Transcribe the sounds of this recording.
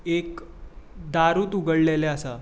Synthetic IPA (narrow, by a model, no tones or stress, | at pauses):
ek | d̪aɾuːt̪uɡəɽleleəsa